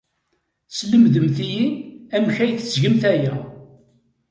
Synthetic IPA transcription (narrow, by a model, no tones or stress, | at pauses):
sləmðəmθijiæmçæjθzʝəmθæjæ